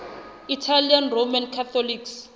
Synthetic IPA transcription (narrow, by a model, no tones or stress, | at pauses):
itʰalianromankʰat̪ʰɔliks